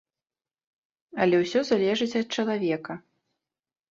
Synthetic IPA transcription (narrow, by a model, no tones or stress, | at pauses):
ɐlʲɛwsʲɔzalʲɛʐɨt͡sʲɐt̪̚t͡ʂɐlˠavʲɛkɐ